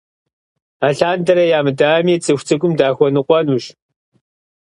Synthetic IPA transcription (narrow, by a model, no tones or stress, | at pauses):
aːɬaːndɐɾɐjaːmɨdaːmiːt͡sʼɨxʷt͡sʰɨɡʷʊmdaːxʷɔnɨqʷɔnuːɕ